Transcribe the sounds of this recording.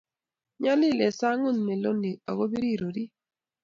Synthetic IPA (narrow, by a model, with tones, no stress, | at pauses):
ɲa˦lɪ˦˨lɛ˨sa˦ŋʊ˦˨nmɛ˨lo˦ni˨a̰˨ɣo˦bi˦ɾi˦˨ɾo˨ɾi˦